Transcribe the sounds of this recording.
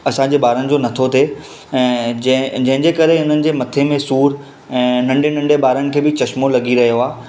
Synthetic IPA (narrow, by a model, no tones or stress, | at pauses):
ɐsãɲd͡ʑeːbaːɾənɪ̆d͡ʑoːnɐt̪ʰot̪ʰe | ɛ̃ːd͡ʑɐ̃ɦɪ̃ɲd͡ʑeːkɐɾeʊn̤ənɪ̆d͡ʑeːmɐt̪ʰemẽsuːɾ | ɛ̃ːnɐ̃ɳɖenɐ̃ɳɖebaːɾənɪ̆kʰeːbɪt͡ɕɐʃmolɐɡiɾɐɦijoaː